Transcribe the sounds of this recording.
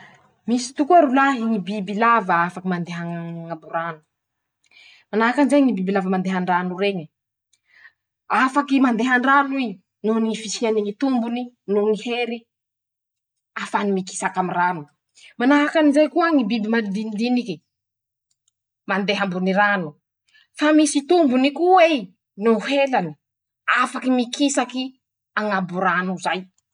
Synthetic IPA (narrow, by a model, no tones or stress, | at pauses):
misi̥t̪ukuaɾulaɦiŋibibilavəafakimand̪eɦaŋambuɾanu̥ | manaɦakanizajŋibibilavəmand̪eɦaɳɖ͡ʐanureɲə | afakimand̪eɦaɳɖ͡ʐanui | nunifisianiŋit̪umbuni | nuniheɾi | afanimiki̥sakamiranu | manaɦakanizajkuaŋibibimand̪inid̪iniki | mand̪eɦambuniɾanu | famisit̪umbunikuwe | nuɦelani | afakimikisaki | aŋabuɾanuzaj